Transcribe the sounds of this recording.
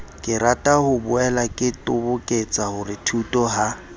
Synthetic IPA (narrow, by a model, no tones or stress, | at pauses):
kʼɪratʼahʊbʊɛlakʼɪtʼʊbʊkʼet͡sʼahʊrɪtʰutʼɔha